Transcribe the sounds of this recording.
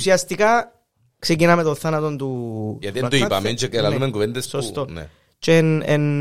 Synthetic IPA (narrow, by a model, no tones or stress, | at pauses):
siɐst̪ika | ksec̬inɐmet̪onθanɐt̪ont̪ujɐt̪it̪oipɐ̰ment͡ʃekelalumeŋɡuvend̪essost̪on̰ | t͡ʃenen